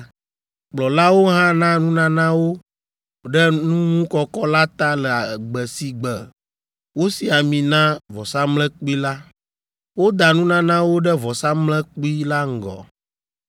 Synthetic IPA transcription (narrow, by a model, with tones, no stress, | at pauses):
k͡plɔ˨la˦wo˦ɦã˦nã˦nũ˦nã˦nã˦wo˦ | ɖɛ˦nũ˦ŋũ˦kɔ˦kɔ˦la˦t̪a˦lɛ˨a˨ɡ͡bɛ˨si˨ɡ͡bɛ˨ | wo˦si˨a˨mĩ˨nã˦vɔ˨sa˦mlɛ̃˦k͡pi˦la˦ | wo˦d̪a˨nũ˦nã˦nã˦wo˦ɖɛ˦vɔ˨sa˦mlɛ̃˦k͡pi˦la˦ŋ̩˨ɡɔ̰˨